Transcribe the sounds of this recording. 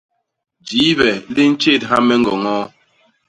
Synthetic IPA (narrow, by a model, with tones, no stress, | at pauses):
d͡ʒiː˨˦βɛ˨li˦n̩˦t͡ʃe˦˨tɦa˦mɛ˦ŋ̩˦ɡɔ̰˨ŋɔː˦